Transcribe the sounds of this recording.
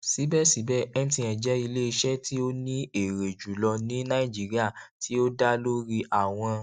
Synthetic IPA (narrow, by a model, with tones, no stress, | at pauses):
si˨˦bɛ˦si˨˦bɛ˦ɛ˦n˦tĩ˧ɛ̃˨d͡ʒɛ˦i˧le˦i˧ʃɛ˦tʰi˦o˦nĩ˦e˨ɾe˨d͡ʒu˨lɔ˧nĩ˨˦nã˦ĩ˦˨d͡ʒi˨˦ɾi˦a˦˨tʰi˦o˦da˦lo˦ɾi˧ʔa˦˨w̃ɔ̃˧